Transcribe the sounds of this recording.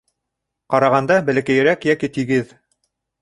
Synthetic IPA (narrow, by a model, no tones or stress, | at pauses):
qɑɾɑʁɑnd̪ɑbɘ̆lɘ̆kæjɘ̆ɾækjækit̪iɡɘð